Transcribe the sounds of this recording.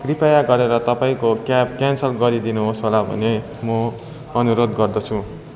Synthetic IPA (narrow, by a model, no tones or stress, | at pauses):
ɡ̥ripʰajaɡʌɾeɾʌt̪ʌpaĩkokap̚kansʌlɡʌɾid̪inuɦosɦolabʱʌ̰ne | mʌ | ʌnuɾod̪ɡʌrd̪ʌt͡sʰũ